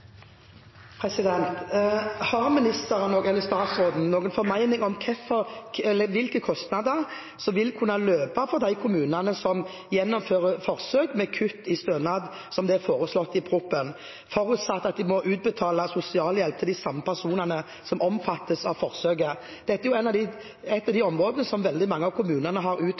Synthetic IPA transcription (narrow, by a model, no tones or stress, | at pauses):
pʰʁɛsɪd̪ɛnt̪hɑʁmɪnɪst̪əɾənoːɡɛlːəst̪ɑːt̪sɾoːd̪n̩noːɡənfɔɾmæɪnɪŋɔmkʰɛfɔɛlːəʋɪlkəkʰɔst̪nɑd̪əʁ | sɔʋɪlkʰʉnːɑløːpɑfɔʁd̪æɪkʰʊmʉːnɑnəsɔm | jɛnːɔmføːʁəfɔʁsøːɡmɛkʰʉt̪ːɪst̪øːnɑd̪ | sɔmd̪ɛæɾfoːɾəslɔt̪ːɪpʰɾʊpːən | fɔɾʉt̪sɑt̪ːɑt̪̚d̪ɪmɔʔʉːt̪̚bət̪ʰɑːlɑsʊsɪɑːljɛlp̚t̪ʰɪld̪ɪsɑmːəpʰæʁsuːnənə | sɔmɔmfɑt̪ːəsɑʋfɔʁsøːɡə | d̪̥ɛt̪ːəɛʁjʊæɪnɑʋd̪ɪ | ɛt̪ːɑʋd̪æɪɔmːʁoːd̪ənəsɔmʋɛld̪ɪmɑŋːəɑʋkʰʊmʉːnənəɦɑɾʉːt̪